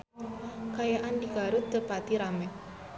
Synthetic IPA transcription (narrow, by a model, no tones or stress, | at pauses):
kajaʔandikaɾut̪ːəpat̪iɾamɛ